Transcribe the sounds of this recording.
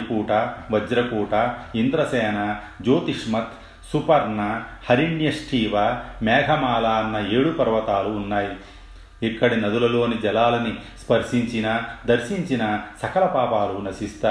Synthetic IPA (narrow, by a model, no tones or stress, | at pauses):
ikuːʈɐʋɐd͡ʒɾɐkuːʈɐind̪ɾɐsɛːna | d͡ʒoːt̪iʂmɐt̪ | supɐɾnɐhɐɾiɳjɐʂʈʰiːʋamɛːɡʱɐmaːlaɐnːɐe̞ːɽupɐɾʋɐt̪aːluːnːaːji | ikːɐɽinɐd̪ulɐlo̞ːnid͡ʒɛlaːlɐnispɐɾʂiɲt͡ʃinɐd̪ɐɾʂiɲt͡ʃinɐsɐkɐlɐpaːpaːlunɐʃist̪aː